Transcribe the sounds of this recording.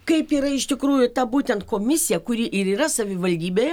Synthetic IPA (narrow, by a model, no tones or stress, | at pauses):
kɐɪpiːɾɐɪʃʲt̪ʲɪkɾuːjʊt̪ɐbuːt̪ʲɛnt̪̚koːmʲɪsʲɪjɛkʊɾʲiːʔɪɾiːɾɐsɐʋʲɪʋɐlʲd̪ʲiːbʲeːjɛ